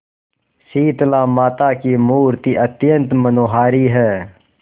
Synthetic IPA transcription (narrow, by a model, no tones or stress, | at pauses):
siːt̪lãːmaːt̪aːkimuːɾt̪iʔət̪jə̃nt̪mənoːɦaːɾiɦɛː